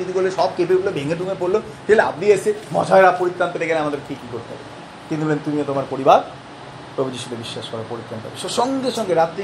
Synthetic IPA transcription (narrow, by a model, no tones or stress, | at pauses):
id̪ikoleʃɔb̚kepebulobʱeŋed̪ʱuŋepoɾlo | t̪ilea̰bdiesemɔ̰d͡ʑʱaeɾapoɾit̪ɾanp̪et̪ekɛneamad̪eɾkʰikikoɾt̪ea̰be | t̪iniolent̪umiot̪omaɾpoɾibaɾ | pɾobid͡ʑiʃot̪ebiʃːaʃkɔɾaɾpoɾit̪ɾant̪a̰beʃeʃɔŋɡeʃɔŋɡeɾat̪ːɾi